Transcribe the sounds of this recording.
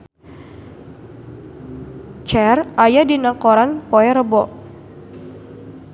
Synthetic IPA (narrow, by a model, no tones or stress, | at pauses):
t͡ʃɛrajadinakɔɾanpɔɛɾəbɔʔ